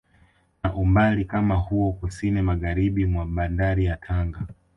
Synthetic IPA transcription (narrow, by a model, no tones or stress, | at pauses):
naʔumbalikamahuɔkusinimaɣaɾiɓimwaɓandaɾijatʰaŋɡa